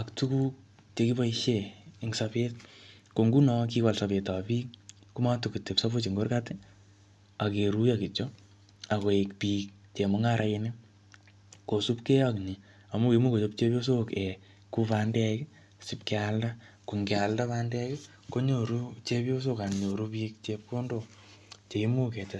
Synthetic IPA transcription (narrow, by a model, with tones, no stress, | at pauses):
a˨ktu˦ku˦k̚ | t͡ʃe˨ki˦ba˦iʃe˨ɪŋsape˦t̚ | ko˨ŋɡu˦nɔ˦k̬i˦ka˨lsa˨pe˨ta˨pi˦k̚ku˦ma˦tu˨ku˨te˨psa˦bo˦t͡ʃi˨ŋɡo˦rkatɪ˦ | a˨ke˨ɾu˦jaki˨t͡ʃo˦ | a˨ko˨ekpi˦k̚ | t͡ʃe˨mo˦ŋaɾʔa˨ɪnɪ˦ | ko˨su˦pke˦jɔ˦kni˨ | a˨mu˦e˨mu˦ko˨t͡ʃo˧p̚t͡ʃe˦pjo˦s̬o˦ke˨ | ku˦pa˦ndɛ˦k | si˦pkealda˦ | ku˨ŋɡɪ˨a˨lda˦pa˦ndɛ˦kɪ˦ | ko˦ɲo˨ɾu˦t͡ʃe˦pjo˦s̬o˦ka˨nɲo˨ɾu˦pi˦k̚t͡ʃe˧p̚ko˦ndo˨ | t͡ʃe˨i˦mu˦kɛ˨t͡ʃa